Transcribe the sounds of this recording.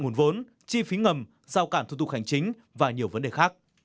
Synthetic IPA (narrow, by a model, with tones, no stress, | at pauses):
ŋu˨˩nvo˨˦n | t͡ɕi˧fi˨˦ŋə˨˩m | zaː˧wkaː˧˩nt̪u˧˩t̪ʊ˨˩ha˨˩jŋ̟t͡ɕï˨˦ŋ̟ | vaː˨˩ɲi˨˩əwvə˨˦nɗe˨˩xaː˦˥k̚